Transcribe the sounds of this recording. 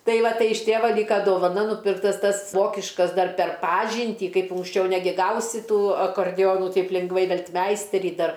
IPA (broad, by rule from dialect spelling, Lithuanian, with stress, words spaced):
ˈtɐɪ ˈʋɐ ˈtɐɪ ɪʃ ˈtʲeːʋɐ ˈlʲiːkɐ doːʋɐˈnɐ nuːˈpʲɪrktɐs ˈtɐs ˈʋoːkʲɪʃkɐs ˈdɐr pʲɛr ˈpɑːʒʲiːnʲtʲiː ˈkɐɪp ʊŋksʲˈt͡ʃʲɛʊ ˈnʲæːɡʲɪ ˈɡɐʊsʲɪ ˈtuː ɐkɐrʲˈdʲoːnʊ ˈtɐɪp lʲɪŋɡˈʋɐɪ ˈʋʲɛlʲtʲˈmʲɛɪsʲtʲɛrʲiː ˈdɐr